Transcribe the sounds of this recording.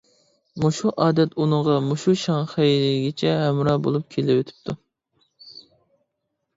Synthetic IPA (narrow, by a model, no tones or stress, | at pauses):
muʃuʔɑːd̪ɛt̪unɨŋʁɑmuʃuʃɑŋχejlɪɡʲit͡ʃʰɛɦɛmɾɑːbo̰lˠup̚kʲʰelɪwøt̪ʰɪ̥p̚t̪ʰu